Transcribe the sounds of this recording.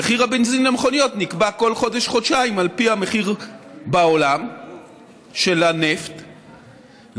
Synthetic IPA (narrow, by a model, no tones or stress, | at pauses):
eχiʁhabe̞nzinlameχo̞nijo̞t̪nikbako̞lχo̞d̪eʃχodʃaimalpihame̞χiʁbao̞lam | ʃe̞laneft̪